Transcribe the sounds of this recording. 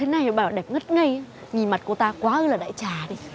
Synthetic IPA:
t̪ʰe˨˦na˨jhe˧˩ɓaː˧˩wɗɛ˨˩p̚ŋə˦˥t̚ŋə˧j | ŋi˨˩nma˨˩t̚ku˧˩ət̪aː˧kwaː˨˦ʔɨː˧˦laː˨˩ɗa̰ː˧˨jt͡ɕaː˨˩ɗi˧˦

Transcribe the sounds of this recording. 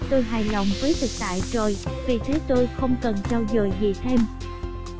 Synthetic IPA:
t̪o˧jɦaː˨˩jlə̰˧˨wŋ͡mvəː˨˦jt̪ʰɨ˨˩k̚t̪a̰ː˧˨jt͡ɕo˨˩jvi˨˩t̪ʰe˨˦t̪o˧jxə˧wŋ͡mkə˨˩nt͡ɕaː˧wzəː˨˩jɣḭ˧˨ət̪ʰe˧m

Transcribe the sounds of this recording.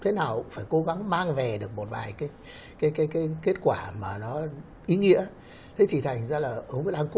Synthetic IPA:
t̪ʰe˨˦naː˨˩wfaː˧˩jko˨˦ɣa˨˦ŋmaː˧ŋvɛ˨˩ɗɨ˨˩ək̚mo˨˩t̚va̰ː˨˩jkaː˨˦j | kaː˨˦jkaː˨˦jkaː˨˦jke˦˥t̚kwaː˧˩maː˨˩nɔ˨˦ | ʔi˨˦ŋḭ˧˥ə | t̪ʰe˨˦jt̪ʰi˨˩t̪ʰa˨˩jŋ̟zaː˧laː˨˩ʔə˨˧ŋ͡mʔaː˧ŋku˦

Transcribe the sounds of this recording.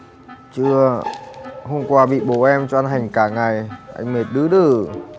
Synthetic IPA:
t͡ɕɨ˧ə | ho˧mŋ͡mkwaː˧ɓḭ˧˨ɓo˧˨˩ʔɛ˧mt͡ɕɔ˧a˧nɦa˨˩jŋ̟kaː˧˩ŋa˨˩jʔa̰˧jŋ̟me˨˩t̚ɗɨ˨˦ɗɨ˧˨˩

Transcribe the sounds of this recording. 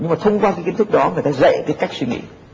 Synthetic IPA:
ɲɨ˧ŋmaː˨˩t̪ʰə˧wŋ͡mkwaː˧kaː˨˦jkï˨˦n̟t̪ʰɨ˦˥k̚ɗɔ˨˦ŋə˨˩jt̪aː˧zə̰˧˨kəː˨˦jkaː˦˥k̚swi˧ŋḭ˧˨

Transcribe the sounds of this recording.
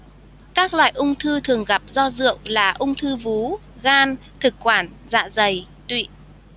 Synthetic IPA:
kaː˦˥k̚lwa̰ː˧˨jʔʊ˧wŋ͡mt̪ʰɨ˧t̪ʰɨ˨˩əŋɣa˨˩p̚zɔ˧zɨ̰˧˨əwlaː˨˩ʔʊ˧ŋ͡mt̪ʰɨ˧vu˨˦ | ɣaː˧n | t̪ʰɨ˨˩kkwaː˧˩n | za̰ː˧˨zə˨˩j | t̪wḭ˧˨

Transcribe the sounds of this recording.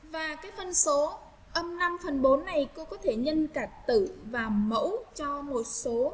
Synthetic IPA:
vaː˨˩kaː˨˦jfə˧˨nso˨˦ | ʔə˧mna˧mfə˨˩nɓo˨˦nːa˨˩jko˧kɔ˨˦t̪ʰe˧˩ɲə˧nkaː˧˩k̚t̪ɨ˧˩˨vaː˨˩mə̰˧˥wt͡ɕɔ˧mo˨˩t̚so˨˦

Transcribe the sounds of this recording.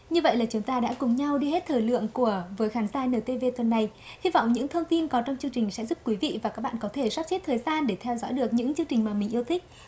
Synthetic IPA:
ɲɨ˧və̰˧˨jlaː˨˩t͡ɕʊ˨˦ŋ͡mt̪aː˧ɗa̰ː˧˥kʊ˨˩ŋ͡mɲa˧wɗi˧he˦˥t̚t̪ʰəː˨˩jlɨ̰˧˨əŋku˧˩əvəː˨˦jxaː˨˦nzaː˧jnəː˨˩t̪e˧ve˧t̪wə˨˩nːa˨˩j | hi˧vɔ̰˧˨wŋ͡mɲɨ̰˧˥ŋt̪ʰə˧wŋ͡mt̪i˧nkɔ˨˦t͡ɕɔ˧wŋ͡mt͡ɕɨ˧əŋt͡ɕi˨˩ŋ̟sɛ̰˧˥zu˦˥p̚kwi˨˦vḭ˧˨vaː˨˩kaː˦˥k̚ɓ̰aː˧˨˧kɔ˨˦t̪ʰe˧˩swa˦˥p̚t͡ɕe˦˥t̚t̪ʰəː˨˩jzaː˧nɗe˧˩t̪ʰɛ˧wzɔ̰˧˥jɗɨ˨˩ək̚ɲɨ̰˧˥ŋt͡ɕɨ˧əŋt͡ɕï˨˩ŋ̟maː˨˩mï˨˩ŋ̟ʔi˧əwt̪ʰï˦˥k̚

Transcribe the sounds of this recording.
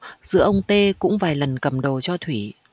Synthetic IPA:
z̥ɨ̰˧˥əʔə˧wŋ͡mt̪e˧kʊ̰˧˥ŋ͡mvaː˨˩jlə˨˩nkə˨˩mɗo˨˩t͡ɕɔ˧t̪ʰwi˧˩

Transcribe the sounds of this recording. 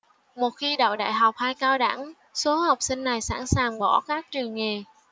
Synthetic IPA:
mo˨˩t̚xi˧ɗə̰˧˨wɗa̰ː˧˨jɦa˨˩wk͡p̚haː˧jkaː˧wɗa̰˧˩ŋ | so˨˦ha˨˩wk͡p̚sï˧ŋ̟na˨˩jsa̰ː˧˥nsaː˨˩ŋɓɔ̰˧˩kaː˦˥k̚t͡ɕɨ˨˩əŋŋe˨˩

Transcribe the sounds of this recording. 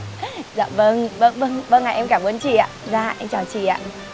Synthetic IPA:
za̰ː˧˨mvə˧ŋvə˧ŋvə˧ŋɓə˧ŋaː˨˩ʔɛ˧mkaː˧˩mʔu˧˦ənt͡ɕḭ˧˨a̰ː˧˨zaː˧ʔɛ˧mt͡ɕaː˨˩wt͡ɕḭ˧˨a̰ː˧˨

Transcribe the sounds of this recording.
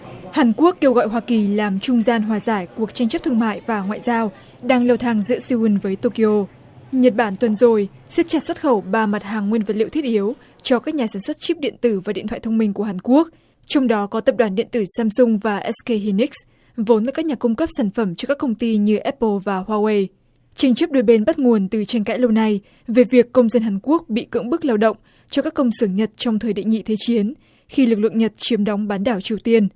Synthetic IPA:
haː˨˩nku˦˥əkːe˧wɣɔ̰˧˨jɦwaː˧ki˨˩laː˨˩mt͡ɕʊ˧ŋ͡mzaː˧nɦwaː˨˩zaː˧˩jku˨˩ək̚t͡ɕa˧ŋt͡ɕə˦˥p̚t̪ʰɨ˧ə˧ŋma̰ː˧˨jvaː˨˩ŋwa̰ː˧˨jzaː˧w | ɗaː˧ŋlə˧wt̪ʰaː˧˩ŋzɨ̰˧˥əsi˧wi˧nvəː˨˦jt̪o˧ki˧ʔo˧ | ɲə˨˩t̚ɓaː˧˩nt̪wə˨˩nzo˨˩jsi˦˥k̚t͡ɕa˨˩swə˦˥t̚xə˧˩wɓaː˧˩ma˨˩t̚haː˨˩ŋːwi˧nvə˨˩t̚lḭ˧˨t̪ʰi˦˥t̚ʔi˨˦əw | t͡ɕɔ˧kaː˦˥k̚ɲaː˨˩saː˧˩nswt̚t͡ɕi˦˥p̚ɗḭ˧˨ənt̪ɨ˧˩vaː˨˩ɗḭ˧˨t̪ʰw̰aː˧˨t̪ʰə˧ŋ͡mmï˧ŋ̟ku˧˩əɦaː˨˩nku˦˥ək̚ | t͡ɕɔ˧wŋ͡mɗɔ˨˦kɔ˨˦t̪ə˨˩p̚ɗwaː˧˩nɗḭ˧˨ənt̪ɨ˧˩saː˧msʊ˧ŋ͡mvaː˨˩ʔɛ˦˥ske˧ɦi˧ni˦˥k̚s | vo˨˦nʔəː˨˩kaː˦˥k̚ɲaː˨˩kʊ˧ŋ͡mkə˦˥p̚saː˧˩nfə˧˩mt͡ɕɔ˧kaː˦˥kːə˧wŋ͡mt̪i˧ɲɨ˧ʔɛ˦˥pːə˧vaː˨˩hwaː˧we˧j | t͡ɕa˧jŋ̟t͡ɕə˦˥p̚ɗo˨˦jɓe˧nɓa˦˥t̚ŋu˨˩ənt̪ɨ˨˩t͡ɕa˧jŋ̟ka̰ː˧˥jlə˧wna˧j | ve˨˩vi˨˩əkːə˧wŋ͡mzə˧nɦaː˨˩ŋku˦˥ək̚ɓḭ˧˨kɨ̰˧˥əŋɓɨ˦˥k̚laː˧wɗə̰˧˨wŋ͡m | t͡ɕɔ˧kaː˦˥kːə˧wŋ͡msɨː˧˩ŋɲə˨˩t̚t͡ɕɔ˧wŋ͡mt̪ʰəː˨˩jɗḭ˧˨ŋḭ˧˨t̪ʰe˨˦t͡ɕi˨˦ən | xi˧lɨ˨˩k̚lɨ̰˧˨ŋɲə˨˩t̚t͡ɕi˨˦əmɗɔ˨˦wŋ͡mɓaː˨˦nɗaː˧˩wt͡ɕi˨˩əwt̪i˧ən

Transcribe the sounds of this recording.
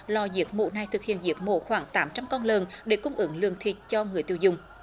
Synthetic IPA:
lɔ˧˩zi˨˦˥ək̚mo̰˧˨na˨˩jt̪ʰɨ˨˩k̚hḭ˧˨ənzi˨˦ək̚mo̰˧˨xwaː˨˦ŋt̪aː˨˦mt͡ɕa˧mkɔ˧nləː˨˩nɗe˧˩kʊ˧ŋ͡mʔɨ˨˦ŋlɨ̰˧˨ŋt̪ʰi˨˩t̚t͡ɕɔ˧ŋɨ˨˩əjt̪i˧˨əwzʊ̰˨ŋ͡m

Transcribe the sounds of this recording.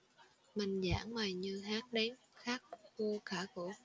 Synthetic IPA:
ma˨˩ŋza̰ː˧˥˦ŋmaː˨˩jɲɨ˧ɦaː˦˥t̚ɗɛ˨˦n | xaː˦˥k̚ko˧kaː˧˩ko˧˩˦

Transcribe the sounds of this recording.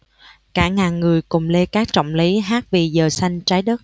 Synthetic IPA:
kaː˧˩ŋaː˨˩nŋɨ˨˩əjkʊ˨˩ŋ͡mle˧kaː˦˥k̚t͡ɕɔ̰˧˨wŋ͡mli˨˦ɦaː˦˥k̚vi˨˩zəː˨˩sa˧jŋ̟t͡ɕaː˨˦jɗə˦˥t̚

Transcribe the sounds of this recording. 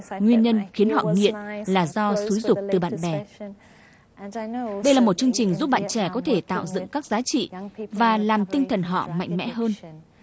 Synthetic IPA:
ŋwi˧ənɲə˧nxi˨˦ənhɔ̰˧˨ŋḭ˧˨ənlaː˨˩zɔ˧su˨˦jzʊ˨˩k͡p̚t̪ɨ˨˩ɓa̰ː˧˨nɓɛ˨˩ | ɗə˧jlaː˨˩mo˨˩t̚t͡ɕɨ˧əŋt͡ɕï˨˩ŋ̟zu˦˥p̚ɓa̰ː˧˨nt͡ɕɛ˧˩kɔ˨˦t̪ʰe˧˩t̪a̰ː˧˨wzɨ̰˧˨ŋkaː˦˥k̚zaː˨˦t͡ɕḭ˧˨vaː˨˩laː˨˩mt̪ï˧ŋt̪ʰə˨˩nɦɔ̰˧˨ma̰˧˨jŋ̟mɛ̰˧˥ɦəː˧n

